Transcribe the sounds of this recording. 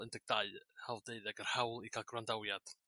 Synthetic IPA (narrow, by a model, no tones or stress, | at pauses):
əndɪɡ̚d̥aɨhawlˠdeɨðɛɡərhawlˠiɡʰalˠɡwandawjad̥